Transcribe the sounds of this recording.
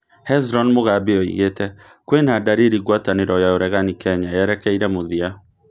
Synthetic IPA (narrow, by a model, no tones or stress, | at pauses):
hɛzɾɔnmoɣabeɔḭɣetɛ | kwenadaɾiɾiɡwataneɾɔjaoɾɛɣanikɛɲaɛɾɛkɛiɾɛmoðia